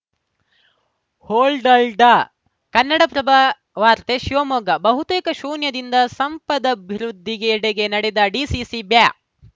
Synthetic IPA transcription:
hoːlɖɐlɖɐ | kɐnːɐɽɐpɾɐba | ʋaːɾt̪eʃiʋɐmoːɡɐbɐɦut̪eːkɐʃuːnjɐd̪ind̪ɐsɐmpɐd̪ɐbʱiɾud̪ʱːiɡeːɽeɡe̞nɐɽed̪ɐɖisiːsibjaː

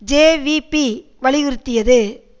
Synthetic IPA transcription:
d͡ʒeːʋipi | ʋɐɭɪʋɯɾɯt̪ːɪjɐðɯ

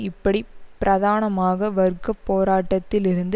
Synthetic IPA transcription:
ɪpːɐɽipɪɾʔɐðaːnɐmaːɣɐʋɐɾkɐpːoːɾaːʈːɐt̪ːɪlɪɾɯnd̪

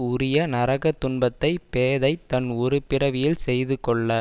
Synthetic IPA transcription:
ʊɾɪjɐnɐɾɐɣɐt̪ːʊɳbɐt̪ːɐɪpeːðɐɪt̪ːɐnɔɾɯpɪɾɐʋɪjɪlsɛjðɯkɔɭːɐ

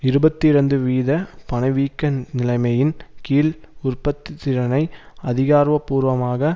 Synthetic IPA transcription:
ɪɾɯbɐt̪ːiɪɾɐnd̪ɯʋiːðɐpɐnɐɪʋiːkːɐnɪlɐɪmɐjɪnkiːlʊrpɐt̪ːɪt̪ːɪɾɐnɐɪ | ɐðɪɣaːɾʋɐpːuːɾʋɐmaːɣɐ

